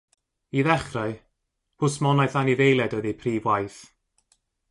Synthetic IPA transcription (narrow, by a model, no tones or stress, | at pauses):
iðɛχraɨ | pʰʊsmɔnajθaniðejlˠɛdəðipʰriːvwajθ